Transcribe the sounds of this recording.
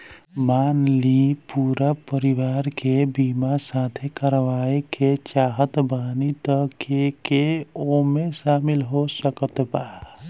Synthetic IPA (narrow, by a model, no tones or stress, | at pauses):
maːnlipuːɾapəɾiʋaːɾkebiːmasaːt̪ʰekəɾʋaːeket͡ʃaːɦət̪baːnit̪əkekeomeʃaːmɪlɦosəkət̪baː